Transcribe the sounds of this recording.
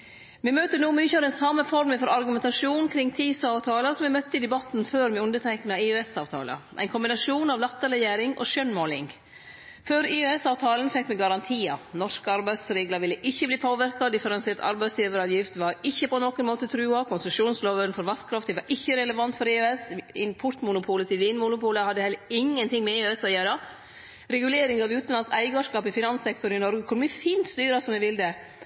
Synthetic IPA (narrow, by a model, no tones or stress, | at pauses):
mɛmøːt̪ənuːmyːçəɑɾɛnsɑmːəfɔɾmɪfɔɾɑɾɡʉmɛnt̪ɑʂuːnkʰɾɪŋt̪ʰiːsɑːʋt̪ʰɑːləsɔmʋɛmœt̪ːəɪd̪ɛbɑt̪nføːɾmɛʉnd̪ət̪ʰæɪknɑeøːɛsɑːʋt̪ʰɑ̰ːlə̰ʔæ̰ɪnkʰʊmbɪnɑʂuːnɑʋlɑt̪ːəɾɛjæːɾɪŋʔɔ̰ʃœnmoːlɪŋ | føːɾɪøɛsɑːʋt̪ʰɑːlənfɛkːmɛɡɑɾɑnt̪ʰiːɑ̰nɔʂkəɑɾbæɪsɾeːɡlɑʋɪlːəʔɪçːəbliːpʰoːʋɪɾkɑd̪ɪfəɾɛnseːɾt̪ɑ̰ɾbæɪsjiːʋəɾɑːʋjɪft̪ʋɑɾɪçːəpʰɔnɔkənmoːt̪ət̪ʰɾʉːɑkʰʊnsəʂuːnsloːʋənfɔɾʋɑskʰɾɑft̪ɪʋɑɾʔɪçːəɾɛləʋɑnt̪fɔɾeːøːɛsɪnpʰʊʈ̪mʊnʊpʰuːlət̪ʰɪlʋiːnmʊnʊpuːləhɑd̪ːəhɛlːəɪŋːənt̪ɪŋmɛɪøːɛsɔjøːɾɑ | ɾɛɡʉleːɾɪŋɑʋʉːt̪n̩lɑnsæɪɡɑʂkɑːpɪfɪnɑnsɛkt̪ɔɾnɪnɔɾɡəkʰʊnmɛfiːnt̪st̪yːɾɑsɔmʋɛʋɪld̪ɛ